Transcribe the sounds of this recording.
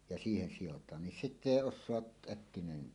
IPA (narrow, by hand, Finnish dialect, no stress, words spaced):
jɑ siːhen sijotˑɑːn nin sitː eˑi osˑoɑʔ ʔækːinæenen